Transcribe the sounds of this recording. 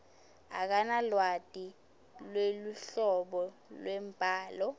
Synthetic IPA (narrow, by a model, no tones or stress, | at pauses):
ak̬analwad̥ʼʱi | lweluɬɔɓɔlwɛmpʼaːlɔ